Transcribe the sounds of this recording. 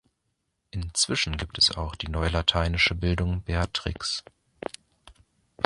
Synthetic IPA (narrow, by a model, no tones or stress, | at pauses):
ʔɪnt͡sv̥ɪʃn̩ɡiːp̚tʰɛsa̰ʊxd̥iːnɔʏəlatʰaɪnɪʃəbɪldʊŋbeːatʁ̥ɪ̰ks